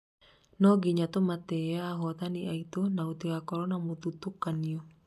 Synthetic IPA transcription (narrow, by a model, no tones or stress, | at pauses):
nɔɡiɲat̪ɔmat̪eaːɦɔt̪aniʔait̪unaut̪ikakɔɾɔnamut̪ut̪ukːanio